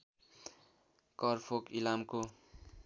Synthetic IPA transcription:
kʌrpʰokilamko

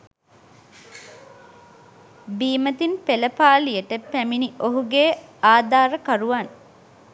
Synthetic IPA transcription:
biːmət̪inpeləpaːlijəʈəpæminiʔoɦuɡeːaːd̪aːɾəkaɾuʋan

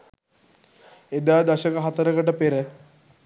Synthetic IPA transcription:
ed̪aːd̪ɐʃəkəɦat̪əɾəkəʈəpeɾə

